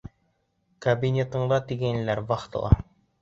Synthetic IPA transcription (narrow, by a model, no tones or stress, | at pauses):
kɐbʲinʲet̪ɤ̆ɴd̪ɑt̪iɡæn̆læɾbɑχt̪ɤ̰̆lˠɑ̰